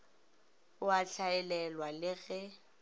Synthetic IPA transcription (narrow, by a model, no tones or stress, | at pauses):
ʊaɬaɛlɛlwalɪɣɛ